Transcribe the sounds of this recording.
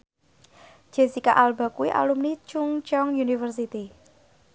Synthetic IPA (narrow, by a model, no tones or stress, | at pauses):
d͡ʒ̥e̤sikaʔalba̤kuwiʔa̰lumnit͡ʃuŋt͡ʃɔŋjunifərsit̪i